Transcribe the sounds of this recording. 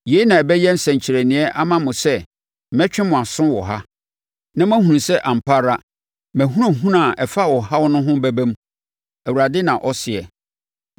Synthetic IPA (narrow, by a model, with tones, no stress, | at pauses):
je˨˦i˦nã˨ɛ˨bɛ˦jɛ˦n̩˦sɛ̃˨ɲ˨t͡ɕʰɪ˨ɾæ˨nɪ̃˨ɛ˦ʔa˦mã˦mʊ̃˨sɛ˦˨ | mɛ̃˦t͡ɕᶣɪ̃˦mʊ̃˨a˨sʊ̃˦wɔ˨ɦa˦ | nã˦mæ̃˦hũ˨ũ˨sɛ˦ʔã˨m̩˨pʰa˦ɾa˦ | mæ̃˨ɦũ˦ɾã˨ɦũ˦nã˨ʔɛ˨fa˦wɔ˨ha˦wɔ˦nʊ̃˦ɦʊ̃˦bæ˦bæ̃˦m | æ˨wu˨ɾa˨dɪ˦nã˨ʔɔ˦sɪ˨ɛ̰˨